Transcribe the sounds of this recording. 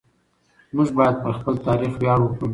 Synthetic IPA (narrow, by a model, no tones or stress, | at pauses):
muʒbɑjad̪̚pəɾxpəlt̪ɑɾixwjɑɽukə